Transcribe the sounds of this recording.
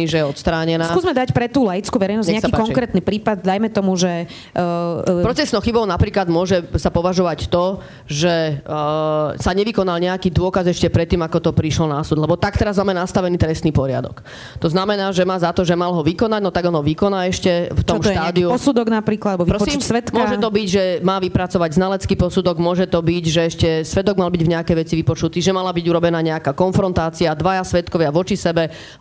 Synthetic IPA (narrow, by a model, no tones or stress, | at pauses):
iʒɛjɛɔt̪st̪ɾaːɲɛnasːkuːzmɛd̪acpɾɛt̪uːlɛjit͡skuʋɛɾɛjnɔzɲɛɲɛasaipakɔŋkɾɛt̪niːpɾiːpad̪̚d̪ajmɛt̪ɔmuʒɛ | pɾɔt͡sɛsnɔxibɔʊnapɾiːklad̪mʊɔʒɛsapɔʋaʒɔʋact̪ɔ | ʒɛ | saɲɛʋikɔnalɲɛakiːd̪ʊɔkazɛʃcɛpɾɛt̪ːiːmakɔt̪ɔpɾiʃlɔnasud̪lɛbɔt̪akt̪ɛɾazmaːmɛnast̪aʋɛniːt̪ɾɛst̪niːpɔɾɪa̰d̪ɔ̰k | t̪ɔznamɛnaːʒɛmaːzat̪ɔʒɛmalɦɔʋikɔnaɟnɔt̪aɡɔnɦɔʋikɔnaːɛʃcɛft̪ɔmʃt̪aːd̪iuɔsud̪ɔɡnapɾiːklapɾɔsimʋɛt̪kmʊɔʒɛt̪ɔbiɟʒɛmaːʋipɾat͡sɔʋaɟznalɛt͡skiːpɔsud̪ɔɡmʊɔʒɛt̪ɔbiɟʒɛɛʃcɛsʋɛd̪ɔɡmalbiɟvɲɛakɛjʋɛt͡siʋipɔt͡ʃut̪iːʒɛmalabiɟuɾɔbɛnaːɲɛakaːkɔnfɾɔnt̪aːt͡siad̪ʋajasʋɛt̪kɔʋɪaʋɔt͡ʃisɛbɛ